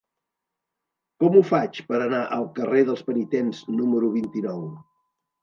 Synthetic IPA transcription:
kɔmufat͡ʃpəɾənaʔəlˠkəreðəlˠspənit̪enznuməɾuβ̞int̪inɔw

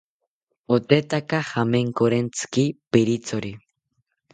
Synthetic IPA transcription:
ot̪e̞t̪akaxameŋkoɾent͡skipeɾit͡soɾi

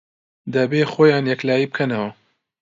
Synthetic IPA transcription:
d̪ɐbeːxoːjaːnjɛklaːjiːbɨkʰɐnɐwɐ

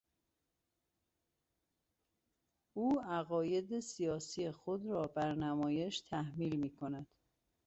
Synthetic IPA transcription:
uːæɣɒːje̞d̪esijɒːsijexod̪ɾɒːbæɾnæmɒːje̞ʃt̪ʰæhmiːlmiːkʰonæd̪̥

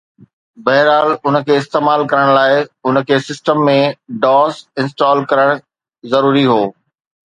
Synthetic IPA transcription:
bɐɦɪɾaːlʊnəkʰeːɪst̪eːmaːlkɐɾəɽ̃laːɪʊn̆kʰeːsɪsʈəmːẽɖɔːsɪ̃nsʈɔːlkɐɾəɽ̃ | zɐɾuːɾiɦoː

